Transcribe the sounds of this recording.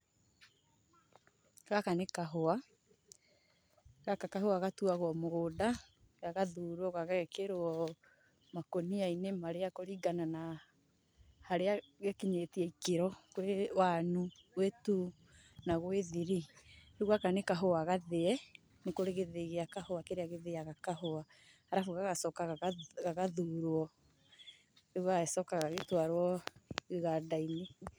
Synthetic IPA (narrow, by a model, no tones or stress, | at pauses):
ɣakanekaɦoa | ɣakakaɦoaɣatuaɣwɔmoɣoda | ɣaɣaðuːɾwɔɣaɣɛkeɾoɔ | makoniainemaɾeakoɾiɡanana | haɾeaɣakiɲetiɛikeɾɔkwewanuwetu | naɣweðiɾiɾeɣwakanekaɦoaɣaðeɛ | nekoɾeɣeðeɣeakahoakeɾeaɣeðeaɣakaɦoa | aɾafuɣaɣasɔkaɣaɣaɣaðuɾoɔ | eɣwaesɔkaɣaɣetwaɾwɔɣeɣadaine